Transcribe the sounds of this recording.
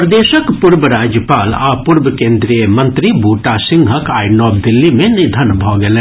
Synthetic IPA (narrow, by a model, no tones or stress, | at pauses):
pɾɐd̪eːʃəkpʊɾbəɾaːd͡ʒjəpaːlaːpʊɾbkẽːnd̪ɾijəmɐ̃nt̪ɾibuːʈasɪ̃ŋɡʱɦəkaːɪnɔːb̚d̪ɪlːimẽnɪd̪ʱənbʱɔːɡɐlẽː